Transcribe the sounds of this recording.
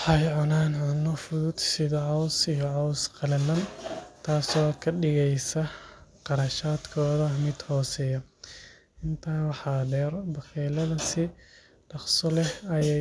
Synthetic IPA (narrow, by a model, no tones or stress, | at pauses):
ħɑjʕʊnaːnʕʊnːɔfʊðʊd̪sɪðɐʕɑwsijɔʕɔwsqɑlɛlɐnt̪ʰaːsɔːkʰɐɖɪɣɛjsɐqɑɾɐʃaːd̪kʰɔːðɐmɪd̪hɔːsɛjɐ | ɪnt̪ʰaːwɑħɑːdɛːrbɐxɛːlɐðɐsɪ | ɖ̥ɑqsɔlɛhɐjɛ